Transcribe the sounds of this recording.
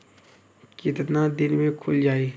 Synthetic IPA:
kit̪ət̪nad̪ɪnmẽkʰʊld͡ʒaːiː

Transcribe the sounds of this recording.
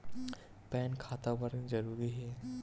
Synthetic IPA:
pɛːnkʰaːt̪abəɾzɐɾuːɾiɦɛː

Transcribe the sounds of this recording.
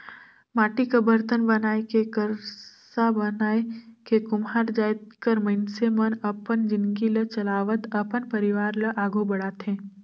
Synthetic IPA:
maːʈikɐbəɾt̪ənbɐnaːekekəɾsabənaːekekʊmɦaːɾd͡ʒaːjt̪kəɾmɐɪnsemənɐpənd͡ʒɪnɡilət͡ʃɐlaːʋət̪ɐpənpɐɾɪʋaːɾləʔaːɡobɐɽaːt̪ɦẽː

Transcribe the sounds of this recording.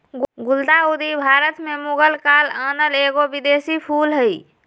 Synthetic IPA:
ɡuld̪aud̪ʱibʱaɾət̪memuɡəlkalənəleɡobid̪esipʰulɦəj

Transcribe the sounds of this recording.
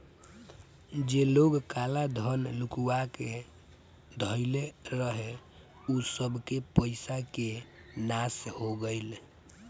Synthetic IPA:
d͡ʒeloɡkalad̪ʱənlukuwake | d̪ʱəɪleɾəɦe | usəbʱkepəɪsakenashoɡəɪl

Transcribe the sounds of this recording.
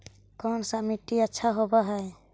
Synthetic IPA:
kɔnsamiʈːiəːt͡ʃʰaɦɔbaɦɛj

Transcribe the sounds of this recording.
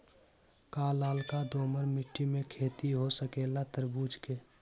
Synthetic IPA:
kaːlaːlkad̪oːməɾmɪʈːimẽkʰeːt̪iɦosəkeːlat̪əɾbuːd͡ʒke

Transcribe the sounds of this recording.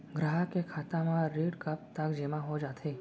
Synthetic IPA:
ɡɾaɦəkekʰat̪amãɾeɖkəp̚t̪əkd͡ʒemãɦod͡ʒat̪ʰe

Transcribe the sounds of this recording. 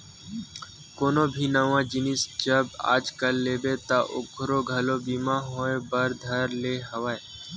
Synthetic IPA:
koːnobʱinəʋãd͡ʒɪnɪsd͡ʒəba̰ːd͡ʒkəlːeːbet̪aʔʊ̰ɡɾoɡʱɐlobimaɦoːẽbəɾd̪ʱəɾleɦɐʋaːe

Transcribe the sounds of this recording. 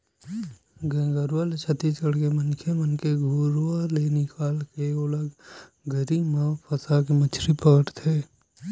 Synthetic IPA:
ɡẽːɡəɾalet͡ʃʰət̪it͡ʃəɽkemənkʰemənkeɡʱuːɾwalenɪkaːlkeoləɡ | ɡəɾimapʰəsakimət͡ʃʰɾipəɡəʈt̪ʰeː

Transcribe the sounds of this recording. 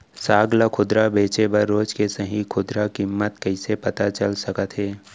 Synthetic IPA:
saːɡlakʰʊd̪ɾabeːt͡ʃebəɾːoːd͡ʒkesəɦĩkʰʊd̪ɾakɪmːət̪kəɪsepɐt̪at͡ʃəlsɐkət̪ɦɛː

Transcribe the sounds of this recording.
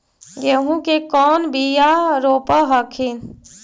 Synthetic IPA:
ɡeɦũkekɔːnbʱijaɾoːpəɦəkʰin

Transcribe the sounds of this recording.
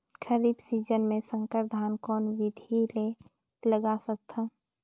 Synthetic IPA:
kʰəɾibsiːd͡ʒənmẽsə̃ŋkəɾd̪ʱaːnkɔːnʋɪd̪ʱile | ləɡasək̚t̪ʰa

